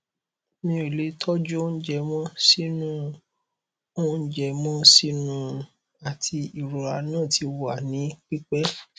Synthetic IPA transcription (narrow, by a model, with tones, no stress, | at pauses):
mĩ˧˦o˨le˨˦tʰɔ˦d͡ʒo˦n̩˦d͡ʒɛ˧mɔ̃˦si˦nũ˦ | o˦n̩˦d͡ʒɛ˧mɔ̃˦si˦nũ˦ | a˨tʰi˧i˨ɾo˨a˧nã˦˨ti˧wa˨nĩ˨˦k͡pi˦k͡pɛ˦